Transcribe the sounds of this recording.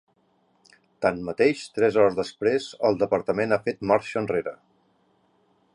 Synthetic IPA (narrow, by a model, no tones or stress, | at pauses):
t̪anmət̪eʃt̪ɾɛzɔɾəzðəspɾezəlˠd̪əpəɾt̪əmenafet̪maɾʃəːnreɾə